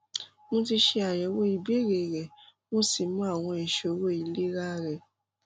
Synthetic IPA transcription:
mõ˧ti˧ʃe˧a˨jɛ˨˦wo˦i˧˨be˦ɾe˨ɾɛ˨mõ˦si˨mũ˦a˦˨w̃ɔ̃˧i˨ʃo˨˦wo˦˨i˨le˦ɾa˦ɾɛ˨

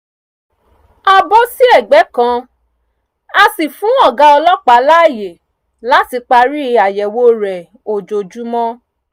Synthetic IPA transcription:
a˧bɔ˦si˦ɛ˦˨ɡ͡bɛ˨˦kã˧ | a˧si˨fũ˨˦ɔ˦˨ɡa˦ɔ˧lɔ˦k͡pa˨˦la˦˨je˨ | la˦ti˧k͡pa˧ɾi˦˧a˨jɛ˨wo˦ɾɛ˨ | o˨d͡ʒo˨d͡ʒu˨˦mɔ̃˦

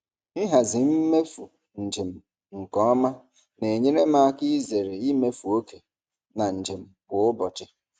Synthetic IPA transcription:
i˦ɦa˨zɪ˨m̩˦me˦fu˨ | n̩˨d͡ʒe˨m̩˨ | ŋ̩˨kɔ˦ɔ˦ma˦ | ne˨ɲe˦ne˦ma˦a˦kɪ˦ze˨ɾe˨i˦me˦fu˨o˦ke˨ | na˨n̩˨d͡ʒe˨m̩˨ɡʊ˨ʊ˦bɔ˨t͡ʃɪ˦

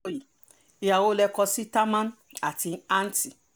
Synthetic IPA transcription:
ji˨ | i˧˦a˨wo˦lɛ˧kɔ˧si˦ta˦mã˦n | a˨ti˧a˦n̩˦ti˨

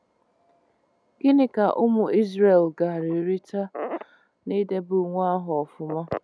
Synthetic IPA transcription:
ɡ̥ɪ˦nɪ˦ka˨ʔʊ˦mʊ˨i˦zɾe˨lɡa˨ɾɪ˨˦ɾi˦ta˦ | ni˦de˦bʊ˨ŋʷ˦a˦ɦʊ˨ɔ˨fʊ˨mɔ˦

